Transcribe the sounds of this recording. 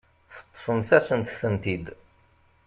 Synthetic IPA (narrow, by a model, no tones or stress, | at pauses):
θə̥t̪ˤːfəmθæsənt̪θənt̪id̪